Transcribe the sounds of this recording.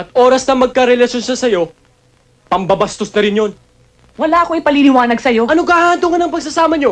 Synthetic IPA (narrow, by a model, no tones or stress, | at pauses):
ʔɐt̪̚ʔo̞ɾɐsnɐmɐɡ̚kɐɾɛlɐʃo̞nʃɐsɐjo̞ | pɐmbɐbɐst̪osnɐɾɪnjo̞n | wɐlaːʔɐkoʔɐjpɐlilɪwaːnɐɡsɐjo̞ʔɐnoɡɐhaːd̪oŋɐnɐŋpɐɡ̚sɐsaːmɐɲo̞